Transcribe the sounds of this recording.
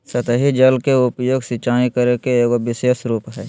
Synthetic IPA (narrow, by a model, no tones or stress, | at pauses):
sɐt̪ɦid͡ʒɐlkeʊpjoːɡsɪt͡ʃaːikəɾekeːkoʋɪseːsɾuːpɦɛː